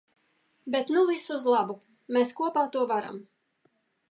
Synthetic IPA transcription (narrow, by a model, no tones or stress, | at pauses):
bet̪nuvisuzlˠabu | meskuɔpaːt̪uɔvaɾa̰m